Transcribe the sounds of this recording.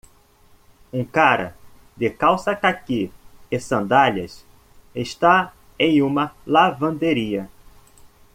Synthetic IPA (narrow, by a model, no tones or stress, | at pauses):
ũkaɾɐ̰ | d̪ɪkawsɐkakiɪsɐ̃nd̪aʎɐs | eʃt̪a | ẽj̃ũmɐlavɐ̃nd̪eɾiɐ